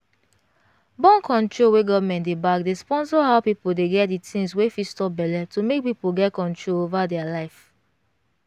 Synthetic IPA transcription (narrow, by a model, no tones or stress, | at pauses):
bɔ̃nkʰɔ̃ntɹoweɡɔvmɛ̃ntdebakdespɔ̃ns̬ɔɦaʊpipuldeɡɛt̚ditʰĩŋswefistɔp̚bɛlɛtomek̚pipuɡɛtkɔ̃ntɹolovadɛalaɪf